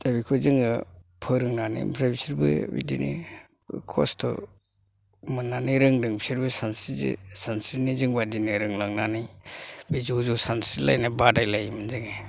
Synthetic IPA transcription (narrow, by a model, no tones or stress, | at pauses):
d̥abikʰuzɯŋɯpʰɯɾɯŋnanḭmpʰɾabisiɾbɯ̰bḭdḭnḭ | kʰɔ̰stʰɔ̰ | mɯnːaniɾɯŋdɯŋbisiɾbɯsansizḭsansiniziŋbadiniɾɯŋlaŋnanijbizuzusansila̰jnabadajlajmɯnziŋe